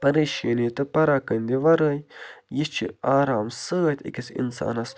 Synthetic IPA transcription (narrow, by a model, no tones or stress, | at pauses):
pɐɾeːʃenit̪ɨpɐɾaːkɐnʲd̪ʲiʋɐɾəjjist͡ʃʰḭaːɾaːmsəːt̪ʰʲḭkʲisḭnsa̰ːnɐs